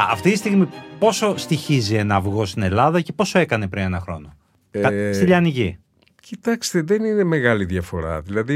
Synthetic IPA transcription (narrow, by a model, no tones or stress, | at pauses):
ɐ̰ft̪it̪ist̪iɣmipo̞so̞st̪içizie̞nɐvɣo̞st̪ine̞lɐðɐce̞po̞so̞e̞kɐne̞pɾine̞nɐxɾo̞̰no | ɐsiʎɐnici | cit̪ɐkst̪e̞ðe̞nine̞me̞ɣɐliðʝɐfo̞̰ɾɐ̰ðilɐði